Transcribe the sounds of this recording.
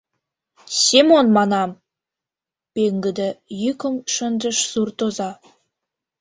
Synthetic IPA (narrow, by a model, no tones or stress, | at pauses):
sʲemonmɑnɑm | pʲeŋɡɘ̆d̪əjykəmʃə̆nd̪ə̆ʃsurt̪ozɑ